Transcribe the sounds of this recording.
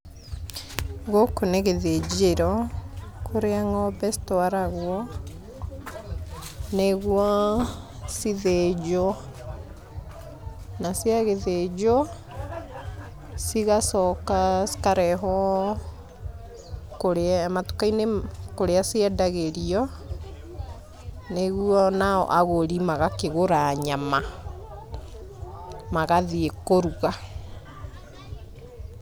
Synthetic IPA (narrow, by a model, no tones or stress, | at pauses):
ɣokoneɣeðed͡ʑeɾɔ | kʰoɾeaŋɔbɛsi̥toaɾaɣwɔ | neɣwɔ | siðed͡ʒɔ | nasiaɣeðed͡ʒɔ | siɣasɔkaskaɾɛɦɔ | koɾemato̥kainekoɾeasiɛdaɣeɾiɔ | neɣuɔnaɔ̰ʔaɣoɾimaɣakeɣoɾaɲama | maɣaðiekoɾuɣa